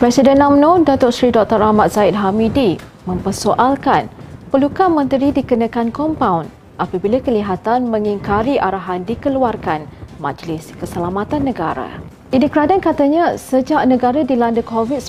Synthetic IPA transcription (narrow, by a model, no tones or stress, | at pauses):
pɾɛsidɛnamnõdat̪ʊʔsɾidɔk̚t̪əɾahmat̪̚z̥aɪt̪̚ɦamidi | mə̃mpərsoʔalkanpərlukamə̃nt̪əɾidikənakankɔmpawn | ʔapabilakəliɦat̪anmə̃ŋiŋkaɾiʔaɾaɦandikəluarkanmã̰d͡ʒlɪskəsəlamat̪anːə̃ɡaɾa̰ | ʔinikəɾadankat̪aɲasəd͡ʒaʔnə̃ɡaɾadilandəkovit̪̚